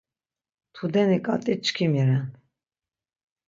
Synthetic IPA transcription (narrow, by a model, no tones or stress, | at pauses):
t̪ʰud̪ɛnikʼat̪ʼit͡ʃkʰimiɾɛn